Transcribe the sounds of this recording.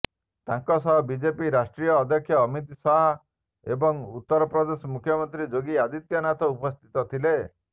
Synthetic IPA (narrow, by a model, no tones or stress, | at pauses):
t̪aŋkɔsɔɦɔbid͡ʒepiɾasʈɾijɔːd̪ʱjɔkʰːjɔːmit̪saɦɔ | ebɔŋut̪ːɔɾɔpɾɔd̪esɔmukʰjɔmɔnt̪ɾid͡ʒoɡiad̪it̪jɔnat̪ɔupɔst̪ʰit̪ɔt̪ʰile